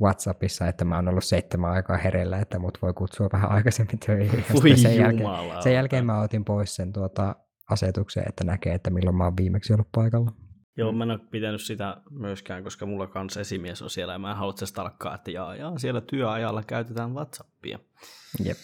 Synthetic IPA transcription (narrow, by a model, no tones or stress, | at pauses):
ʋɑt̪sɑpisːɑet̪ːæmæoːnolːusseit̪ːemæɑikɑːheɾelːæet̪ːæmuːt̪ʋoikut̪suɑʋʋæhæ̰ʔɑikɑsemːint̪ʰøiisejjæleɑlːsejælkeːmmæot̪impoissent̪uot̪ɑ | ɑset̪uksḛːḛt̪ːænækḛːet̪ːæmilːommɑoʋʋiːmeksiolːuppɑikɑlːɑ | joːmænokpit̪ænyssit̪æmyøskæːŋkoskɑmulːɑkɑnsesimieso̰nsielːæɑmæːhɑlot̪sest̪ɑlkːɑ̰ːet̪ːæjɑːjɑːsielːæt̪yøɑjɑlːɑkæyt̪et̪æːnʋɑt̪sɑpːḭɑ̰ | jḛp